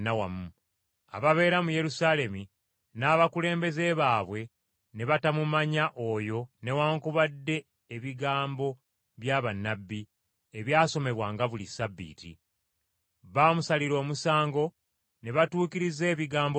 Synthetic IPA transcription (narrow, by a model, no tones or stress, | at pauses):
nawamu | a̰βaβe̞ːɾamuje̞ɾusale̞mi | naːβakule̞ːmbe̞ze̞βaːβwe̞ | ne̞βatamumaɲaʔo̞jo̞ne̞waːŋkuβadːe̞ː | βiɡaːmbo̞ | βjaːβanːabːi | eβjaːso̞me̞βwaːŋɡaβulisabːḭːtḭ | βaːmusaliɾo̞ːmusaːŋɡo̞ | ne̞βatuːkiɾize̞ːβiɡaːmb